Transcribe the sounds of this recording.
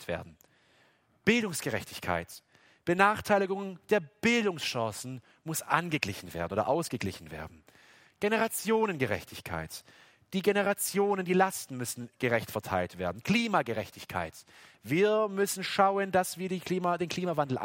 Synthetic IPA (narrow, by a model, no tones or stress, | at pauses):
tv̥ḛːɐdn̩ | b̥ɪldʊŋsɡ̥əʁɛ̰çtɪçkʰa̰ɪt | b̥ənaːχtʰaɪlɪɡʊŋd̥eːɐb̥ɪldʊŋsʃɑ̃ːsn̩ | mʊsʔanɡəɡlɪçn̩vḛːɐdn̩oːdɐ̰ʔaʊsɡ̥əɡlɪçn̩vḛːɐdn̩ | ɡ̥enəʁat͡sjoːnənɡəʁɛ̰çtʰɪçkʰa̰ɪt | d̥iːɡenəʁat͡sjoːnəndiːlastn̩mʏsn̩ɡ̥əʁɛçtfɛɐtʰa̰ɪltv̥eːɐdn̩kl̥iːmaɡəʁɛçtʰɪçkʰa̰ɪtv̥iːɐmʏsn̩ʃaʊəndasv̥iːɐdiːkliːmadeːnkʰl̥iːmavandl̩ʔa̰